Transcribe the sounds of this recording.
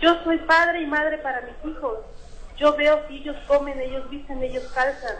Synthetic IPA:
d͡ʒo̞so̞jpaðɾe̞imaðɾe̞paɾamisixo̞s | ɟ͡ʝo̞βe̞okieʝo̞sko̞mẽ̞ne̞ʝo̞zβist̪and̪eʝoskalsan

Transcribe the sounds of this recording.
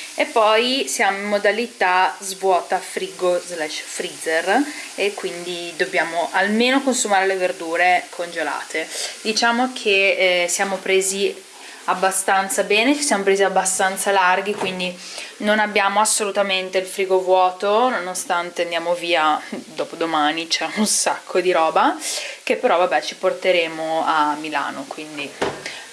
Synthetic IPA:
epːɔjsjamimːod̪alit̪azvwɔːt̪afɾiːɡozlɛʃfɾizerekːwind̪id̪objaːmoʔalmeːnokonsumaːɾeleverd̪uːɾekʰond͡ʒola̰ːt̪ʰed̪it͡ʃaːmokʰesjaːmopɾeːzi | abːast̪ant̪sabɛːnet͡ʃisjamopɾeziabːast̪ant̪salarɡ̟ikwind̪i | nonabːjaːmoasːolut̪ament̪eilfɾiːɡovwɔːt̪ononost̪ant̪eand̪jaːmoviːad̪oːpod̪omaːnit͡ʃɛunsakʰːod̪iɾɔːbakepːeɾɔvabɛt͡ʃiport̪eɾeːmoamːila̰ːnokwind̪i

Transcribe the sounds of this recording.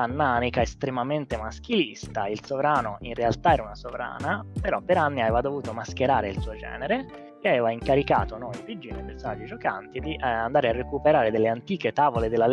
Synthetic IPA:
anːanikaest̪ɾemament̪emask̟ilist̪ailsovɾaːnoʔinrealt̪aɛːɾaunasovɾa̰ːnapeɾɔpːeɾanːiaveːvad̪ovuːt̪omask̟eɾaːɾeilsuːod͡ʒɛ̰ːneɾe | keaveːvaiŋkaɾika̰ːt̪onoivid͡ʒinepeɾsonad͡ʒːid͡ʒoka̰nt̪id̪iʔand̪aːɾearːekupeɾaːɾed̪elːeant̪iːket̪aːvoled̪elːal

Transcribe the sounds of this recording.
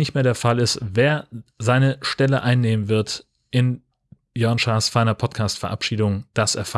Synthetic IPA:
nɪçtmeːɐɾdeːɐfalɪstveːɐzaɪnəʃtɛləʔaɪnːeːmənvɪɐt | ʔɪn | jœɐnʃaːsfaɪnɐpʰɔtkʰaːstfɛɐʔa̰pʃiːdʊŋd̥asʔɛɐfa

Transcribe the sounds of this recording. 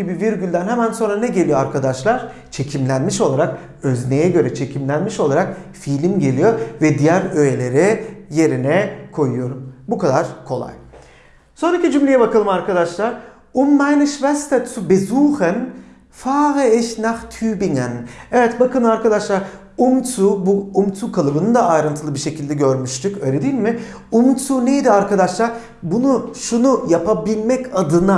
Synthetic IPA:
ibiviɾɟylʲd̪ænhɛmænso̞nɾanɛɟe̞lʲijo̞aɾkʰad̪aʃlˠaɾ̥ | t͡ʃʰe̞cʰimlʲænmiʃo̞lˠaɾak | ø̞znejɛɟø̞ɾɛt͡ʃʰe̞cʰimlʲænmiʃo̞lˠaɾak̚filʲimɟe̞lʲijo̞ɾvɛd̪ijæɾøjelʲe̞ɾɛje̞ɾinɛkʰo̞jujo̞ɾumbukʰad̪aɾ̥kʰo̞lˠa̰j | so̞nɾacid͡ʒymlʲejɛbakʰalˠɯmaɾkʰad̪aʃlˠaɾ | umːajnɯʃvɛst̪ʰat̪ʰubezuhɛn | faːɣɯɛʃnaxt̪ʰyːbiŋanɛvɛt̪bakɯnɯaɾkʰad̪aʃlˠaɾ | umt̪ʰubuːmt̪ʰukʰalˠɯbɯnɯnd̪aːjɾɯnt̪ʰɯlˠɯbiɾʃe̞cʰilʲd̪ɛɟøɾmyʃt̪ʰykø̞jlʲed̪ijilʲmɪ | umt̪ʰunejid̪iaɾkad̪aʃlˠaɾ | bunuʃunujapabilʲmɛcʰad̪ɯna

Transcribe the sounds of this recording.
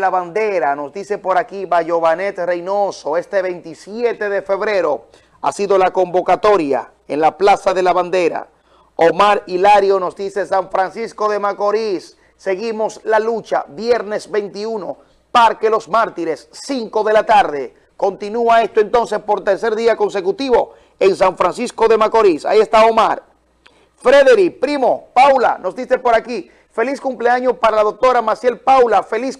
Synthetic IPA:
laβand̪e̞ɾano̞sd̪ise̞po̞ɾakiβaʝo̞βane̞t̪re̞jnoso̞e̞st̪e̞βe̞nt̪isjet̪e̞ðe̞fe̞βɾe̞ɾo̞ | a̰siðo̞lako̞mbo̞kat̪o̞ɾja̰ | enlaplasaðe̞laβand̪e̞ɾa̰ | omaɾilaɾjo̞no̞zd̪ise̞saɱfɾansisko̞ðe̞mako̞ɾisː | e̞ɣimo̞slalut͡ʃa̰βjeɾne̞sβe̞nt̪iuno̞ | paɾkelo̞smaɾt̪iɾe̞sːiŋko̞ðe̞lat̪aɾðe̞ | ko̞nt̪inuae̞st̪oe̞nt̪o̞nse̞spo̞ɾt̪e̞ɾse̞ɾðiako̞nse̞kut̪iβo̞ | ensaɱfɾansisko̞ðe̞mako̞ɾisa̰ie̞st̪ao̞maɾ | fɾeðeɾipɾimo̞pawla̰no̞zd̪ise̞po̞ɾaki | fe̞liskumpleaɲo̞paɾalaðok̚t̪o̞ɾamasje̞lpawlafe̞lis

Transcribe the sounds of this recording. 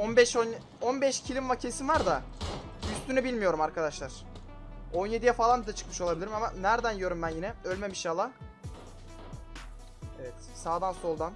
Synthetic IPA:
onbɛʃon | onbɛʃcʰilʲimmacʰesinvaɾd̪a | yst̪ʰynɛbilʲmijo̞ɾumaɾkʰad̪aʃlˠaɾ̥ | o̞nje̞d̪ijɛfalˠanbid̪ɛt͡ʃʰɯ̥kmɯ̥ʃo̞lˠabilʲiɾimamanæɾd̪ænjø̞ɾumbænjinɛølʲmɛmiʃalˠːa | evɛt̪saːd̪anso̞lˠd̪an

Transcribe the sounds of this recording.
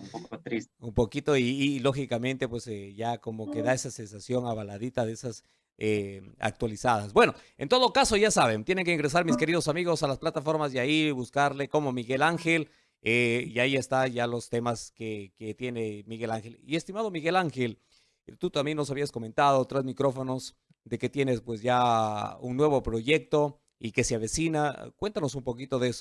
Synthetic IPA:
mppokt̪ɾisumpo̞kit̪o̞iːlo̞xikamẽ̞nt̪e̞pweseʝako̞mo̞ke̞ðae̞sase̞nsasjo̞ŋaβalaðit̪aðeesas | ea̰k̚t̪walisaðasbwe̞no̞ | e̞nt̪o̞ðokaso̞ʝasaβe̞nt̪je̞neŋkeiŋɡɾe̞s̬aɾmiske̞ɾið̞osamiɣo̞salasplat̪afo̞ɾmasjaiβuskaɾle̞ko̞mo̞miɣelaŋxel | eiaiest̪aʝalo̞st̪e̞maskeket̪je̞ne̞miɣe̞laŋxe̞lie̞st̪imaðo̞miɣe̞laŋxe̞l | t̪ut̪ambjenːo̞s̬aβiasko̞mẽ̞nt̪að̞o̞t̪ɾazmikɾo̞fo̞no̞s | ðe̞ke̞t̪je̞ne̞spwe̞sʝaunnwe̞β̞o̞pɾo̞ʝe̞k̚t̪o̞ | ike̞sjaβe̞sinakwe̞nt̪ano̞sumpo̞kit̪o̞ðe̞so

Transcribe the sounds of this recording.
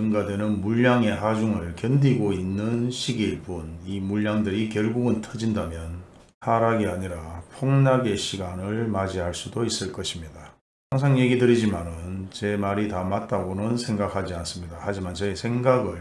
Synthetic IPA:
ɯŋɡadwe̞nɯnmuʎːaŋe̞ɦad͡ʑuŋɯɭkjʌndiɡoinːɯnɕʰiɡiɭbunimuɭːaŋdɯɾikjʌɭɡuɡɯntʰʌd͡ʑindamjʌnhaɾaɡiaɲiɾapʰoŋnaɡe̞ɕʰiɡanɯɭmad͡ʑiɦaɭs͈udois͈ɯɭk͈ʌɕʰimɲida | saŋsʰaŋje̞ɡidɯɾid͡ʑimanɯnt͡ɕe̞maɾitamat̚t͈aɡonɯnsʰe̞ŋɡakʰhad͡ʑians͈ɯmɲidahad͡ʑimant͡ɕʌesʰe̞ŋɡaɡɯɭ

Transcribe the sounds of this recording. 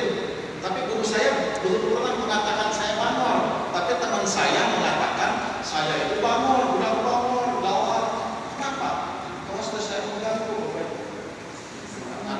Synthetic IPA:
u | t̪apiɡuɾusajabud̪uulaŋanpəŋat̪akansajamanɔlt̪apit̪əmənsajaməŋat̪akansajait̪ubamɔlɡunatubamɔlulawakənapa | k̪ɔast̪əsajaməŋɡaŋt̪uba | a̰a

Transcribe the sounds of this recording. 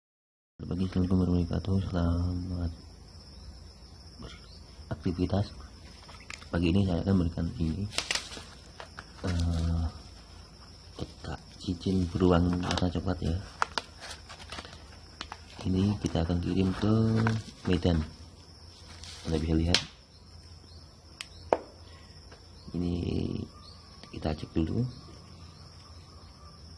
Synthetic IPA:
bəɾbaɡisləmkəmərməɾika̰t̪usəlamat̪̚ | bərak̚t̪ifit̪as | baɡiːnisaja̰kanməɾikanini | ə | kət̪a̰ʔ | t͡ʃit͡ʃɪnbəɾuaŋma̰rsat͡ʃəpat̪ja | inikit̪aːkank̬iɾɪmt̪o | medan | andabisaliɦat̪̚ | ḭnḭ | kit̪aːt͡ʃək̚dulṵ

